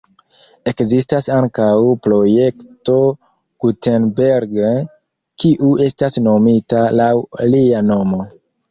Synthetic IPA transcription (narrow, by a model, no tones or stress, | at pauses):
e̞kzistasaŋkawpɾo̞je̞kto̞ | ɡ̥utenbeɾɡ | kiʔue̞stasno̞mitalawliano̞mo̞